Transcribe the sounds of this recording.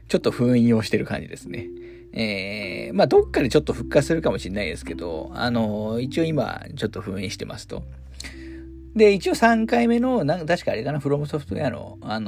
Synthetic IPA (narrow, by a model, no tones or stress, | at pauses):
t͡ɕo̞t̪ːo̞ɸɯ̟̃ɰĩo̞ɕi̥t̪e̞ɾɯ̟kã̰ɲ̟d͡ʑid̪e̞sɨne̞̰ | eːmaːd̪o̞kːad̪e̞t͡ɕo̞t̪ːo̞ɸɯ̟kːat͡sɨ̥sɨɾɯ̟kamoɕinːaid̪e̞sɨ̥ke̞d̪o̞̰a̰no̞it͡ɕio̞ima̰t͡ɕo̞t̪ːo̞ɸɯ̟̃ĩɕi̥t̪emʔa̰sɨ̥t̪o̞̰ | d̪e̞it͡ɕio̞sãŋkaime̞no̞nãt̪aɕi̥kaːɾe̞kanaɸɯ̟ɾo̞mɯ̟so̞ɸɯ̟t̪o̰jano̞̰ | an